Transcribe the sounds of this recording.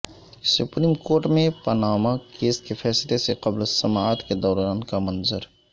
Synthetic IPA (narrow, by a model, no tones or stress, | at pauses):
sʊpɾiːmkoːɾʈmẽpənaːmakeːskepʰɛːsleseqɐblsɐmaːt̪ked̪ɔːɾaːnkamɐnzəɾ